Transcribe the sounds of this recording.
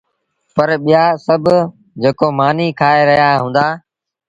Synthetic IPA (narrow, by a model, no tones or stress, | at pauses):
pəɾɓijaːsəbʱ | d͡ʒeːkoːmaːniːkʰaːeɾəɦijaːɦũːn̆d̪aː